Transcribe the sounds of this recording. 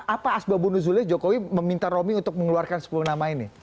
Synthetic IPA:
ʔapaːsbabunuz̬ulɪhd͡ʒokowiməmint̪aɾomiunt̪ʊk̚məŋəluarkansə̥pulunamaini

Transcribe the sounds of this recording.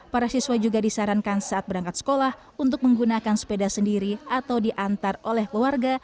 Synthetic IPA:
paɾasiswad͡ʒuɡadisaɾankansaat̪̚bəɾaŋkat̪sə̥kolah | unt̪̬ʊk̚məŋɡunakanspedasəndiɾiat̪awdiʔant̪arolɛhkluarɡa

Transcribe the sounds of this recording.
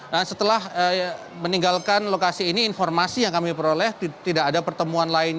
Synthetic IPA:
asət̪əlahə | məniŋɡalkanlokasiːniːnformasijaŋkamipəɾolɛh̪it̪idakadapərt̪əmuanlaɪn

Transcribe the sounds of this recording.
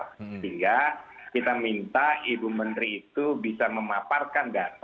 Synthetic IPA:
iŋɡakit̪amint̪aibumənt̪ɾiːt̪ubisaməmaparkandat̪

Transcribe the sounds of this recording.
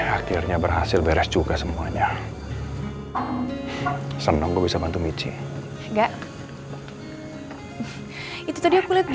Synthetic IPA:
hakirɲabərhasɪlbeɾɛst͡ʃukasəmuaɲa | sənɔŋɡuɔbisabant̪umit͡ʃḭ | ŋɡaʔ | it̪ut̪adijakulɪt̪̚d͡ʒ

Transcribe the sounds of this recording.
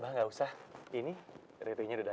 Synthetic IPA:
baɦaŋɡausahini | reɾeɲaduda

